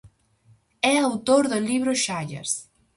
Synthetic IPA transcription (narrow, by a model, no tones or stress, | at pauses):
ɛawt̪oɾðʊliβɾʊʃaʎa̰ɾs